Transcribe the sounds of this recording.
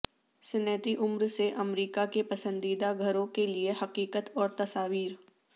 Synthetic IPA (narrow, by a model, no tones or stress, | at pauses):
sɪnɛːt̪iʔʊmɾseʔɐmɾiːkakepɐsə̃nd̪iːd̪aɡʱəɾõkeliehɐqiːkət̪ɔːɾt̪ɐsaːʋiːɾ